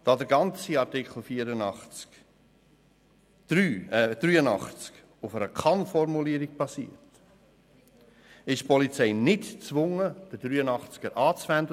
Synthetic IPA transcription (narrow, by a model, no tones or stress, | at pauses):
d̥ɑːd̪əɾɡɑnt͡siɑɾtɪkʰχl̩ˠfiːəɾənɑχt͡sk | ɾyːd̥̪ɾyːənɑ̰χt͡sk | ʊfəɾəkʰɑnfɔrmuliəɾiɡ̚b̥ɑsḭət | ɪʃpɔlit͡sɛɪnɪtt͡sʋʊŋəd̥əd̥ɾyːənɑχt͡skəɾʔɑːt͡sʋænd̪ə